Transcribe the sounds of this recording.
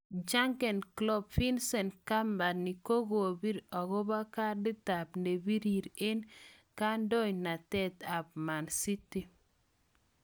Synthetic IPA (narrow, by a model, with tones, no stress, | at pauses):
d͡ʒa˦ŋkɛ˨nklɔ˦bfi˦nsɛ˨nka˦mba˨ni˨ko˦ɡo˨bi˦ɾɔ˨ɡɔ˦ba˦ka˦dɪ˦ta˨pne˨bi˦ɾi˨ɾe˦n | ka˦ndɔ˦ɲna˨tɛ˦t̪a˨p̚ma˨nsi˦ti˨